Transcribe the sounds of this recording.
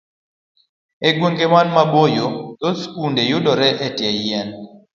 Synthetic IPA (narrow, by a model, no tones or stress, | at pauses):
eɡweŋɡemanmabojotɔskundejodɔɾɛʔɛtjɛɛn